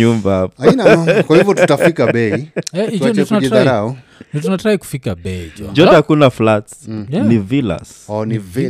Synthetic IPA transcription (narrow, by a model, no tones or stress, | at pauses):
umbaapnakwahivɔtafikaɓɛiɛiɔndtunaɛaaɔ | ndɔtunatɾaiku̥fikaɓɛid͡ʒɔd͡ʒɔakunaflatnivila̰sɔni